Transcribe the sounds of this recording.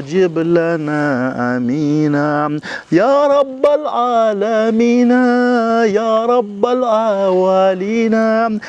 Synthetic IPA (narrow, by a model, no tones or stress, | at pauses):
d͡ʒɪblanaʔamiːna | jaːɾˤɑbːalʕaːlamiːnajaːɾˤɑbːalʕawaliːna